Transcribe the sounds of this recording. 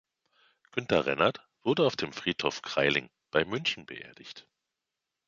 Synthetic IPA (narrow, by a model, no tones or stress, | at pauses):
ɡ̥ʏntɐʁɛ̰nat | v̥ʊɐdəaʊfd̥eːmfʁ̥iːthoːfkʁ̥a̰ɪlɪŋ | b̥aɪmʏnçn̩bəʔḛːɐdɪçt